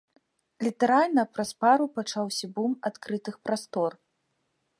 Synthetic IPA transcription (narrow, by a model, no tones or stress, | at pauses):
lʲit̪ɛɾalʲnɐpɾɐspaɾupat͡ʂawsʲɐbumat̪kɾɨt̪ɨxpɾast̪ɔr